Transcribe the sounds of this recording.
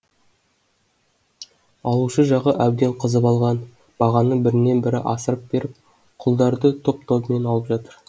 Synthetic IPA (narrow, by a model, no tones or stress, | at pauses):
ɑlˠuʃəʒɑʁəʔæwd̪e̞ɴqʰəzəpɑlˠʁɑn | b̥ɑʁɑnəbɪɾɪne̞nbɪɾɪ̰ʔɑsəɾəp̚b̥e̞ɾɪp̚ | qʰʊlˠd̪ɑɾd̪ət̪ʰo̞p̚t̪ʰome̞nɑlˠəpʒɑt̪əɾ